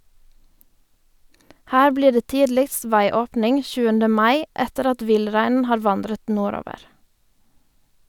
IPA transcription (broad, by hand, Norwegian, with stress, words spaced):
ˈhæː ˈbliː ˈɖeː ˈtiːdlɪkst ˈʋæɪˌoːpnɪŋ ˈçʉːəndə ˈmɑɪ ˈɛtəɾ ˈɑt ˈʋɪlˌɾæɪnn̩ ˈhɑːɾ ˈʋɑndɾət ˈnuːˌɾoːʋəʁ